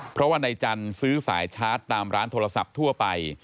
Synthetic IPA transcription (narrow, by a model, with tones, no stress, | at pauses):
pʰɾɔ˦˥waː˥˩na˧jt͡ɕa˧nsɯː˦˥sa̰ː˩˦jt͡ɕʰaː˦˥t̪ːaː˧mɾaː˦˥nt̪ʰoː˧ɾa˧sa̰˨˩p̚t̪ʰu˥˩ɐpa˧j